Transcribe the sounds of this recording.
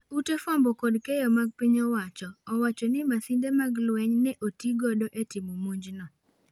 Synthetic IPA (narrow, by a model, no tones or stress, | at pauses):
utefɔmbɔkɔdkejɔmaɡ̚piɲɔwat͡ʃɔːwat͡ʃɔnɪmasindemaɡlwɛɲnɛʔotiɡodoʔetimomuɲd͡ʒnɔ